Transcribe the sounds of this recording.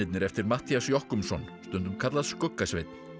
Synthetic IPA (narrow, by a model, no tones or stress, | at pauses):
ɪt̪nɪɾɛft̪ɪɾmat̪iasjɔhkʏmsɔnst̪ʏnt̪ʏmkʰat̪laðskœkːasvɪt̪n̥